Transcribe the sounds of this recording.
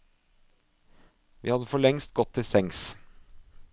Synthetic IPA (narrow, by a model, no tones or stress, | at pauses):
ʋiːhɑd̪əfɔɭɛŋst̪̚ɡɔt̪ʰːɪsɛŋs